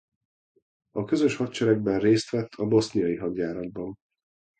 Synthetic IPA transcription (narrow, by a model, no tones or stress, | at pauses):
ɒkø̞zø̞ʃhɒtt͡ʃɛɾɛɡ̚bɛnreːst̪ʋɛt̪ːʰɒbo̞snijɒjiɦɒdjaːɾɒd̪̚bɒn